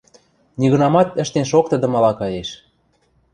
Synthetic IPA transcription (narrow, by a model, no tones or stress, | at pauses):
niɣɤ̆nɑmɑt̪ə̆ʃt̪enʃok̚t̪ə̆d̪ə̆mɑlɑkɑjeʃ